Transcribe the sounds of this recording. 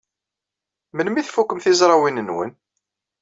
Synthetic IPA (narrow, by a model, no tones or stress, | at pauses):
mənmiθfukːəmθizɾˤɑwinənwə̰n